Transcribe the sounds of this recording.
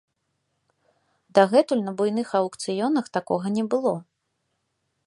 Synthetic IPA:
d̪aɣɛt̪ulʲnɐbujn̪ɨxɐwkt̪sɨjɔnɐxt̪akɔɣɐnʲɛbɨlˠɔ

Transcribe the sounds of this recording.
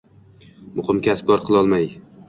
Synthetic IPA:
mʊχɨmkʲasbɒɾqʰɨlˠɒlˠmaj

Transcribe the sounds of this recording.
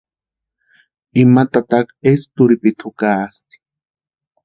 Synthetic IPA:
imat̪at̪akest̪ʊɾipit̪ʰʊkaːst̪i̥

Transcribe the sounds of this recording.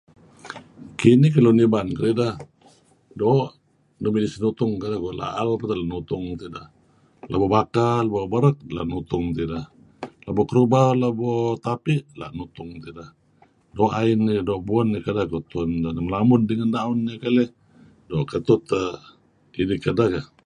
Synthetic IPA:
kinikəlunibankəlidah | doʔ | nomilisnut̪ʊŋkadakola̰ʔalpət̪alaʔnut̪ʊŋt̪idah | labobakaləbobəɾək̚la̰ʔnut̪ʊŋt̪idah | labɔkəɾubalabot̪apiʔla̰ʔnut̪ʊŋt̪ida | doʔainidoʔbuanːəkadakot̪uandanməlamʊndəŋandaʊnɲəkale | doːʔkət̪ʊt̪ə | inikːadahka

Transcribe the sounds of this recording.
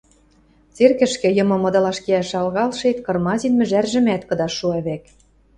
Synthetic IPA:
t͡serkɘ̆ʃkɘ̆jɤ̆mɤ̆mɤ̆d̪ɤ̆lɑʃkeæʃɑlɣɑlʃet̪kɤ̆rmɑzʲinmɘ̆ʒærʒɘ̆mæt̪kɤ̆d̪ɑʃːuɑβek

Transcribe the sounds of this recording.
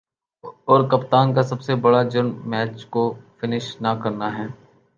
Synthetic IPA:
ɔːɾkɐpt̪aːnkasɐbsebɐɽad͡ʒʊɾmɛːt͡ʃkofɪnɪʃnɐkɐɾnaɦɛː

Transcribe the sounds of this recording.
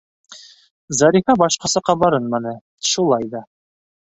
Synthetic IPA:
zɑɾifɑbɑʃqɑsɑqːɑbɑɾɤnmɑnɤ | ʃulˠɑjd̪ɑ

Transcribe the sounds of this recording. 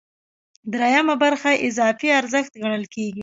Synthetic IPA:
d̪ɾajamabaɾxaʔɪzɑfiaɾzəxt̪ɡaɽ̃əlkeɡi

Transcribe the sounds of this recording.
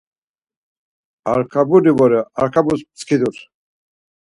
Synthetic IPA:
aɾkʰabudivɔɾɛaɾkʰabusp̚t͡skʰid̪uɾ

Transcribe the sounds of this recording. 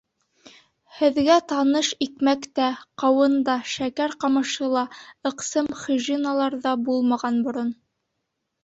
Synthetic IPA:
hɘ̆ðɡæt̪ɑnɤʃikmækt̪æqɑwɤnd̪ɑʃækæɾqɑmɤ̆ʃɤ̆lˠɑɤ̆qsɤmχɵʒinɑlˠɑɾðɑbulˠmɑʁɑnbŏɾon

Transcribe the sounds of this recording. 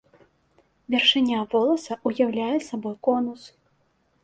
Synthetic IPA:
vʲɛrʂɨnʲavɔlˠɐsɐʔujawlʲajɛsabɔjkɔnus

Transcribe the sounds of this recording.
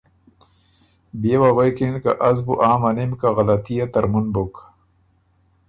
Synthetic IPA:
bewabɐjkenka̰ʔɐzbuʔaːmɐnemkaɣɐlɐt̪ijat̪ɐɾmunbok

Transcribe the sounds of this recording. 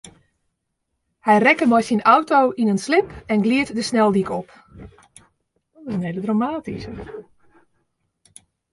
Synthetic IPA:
hɛjrɛkəmɔjsinawtowʔinənslɪpɛnɡliətdəsnɛlˠdikɔp | dɔtɪsəneːlədramaːtisə

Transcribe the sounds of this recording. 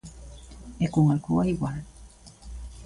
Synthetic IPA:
ekuŋalkuaiwal

